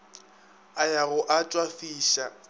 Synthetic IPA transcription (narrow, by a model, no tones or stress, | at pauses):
ajaɣʊʔat͡ʃʼwafiːʃa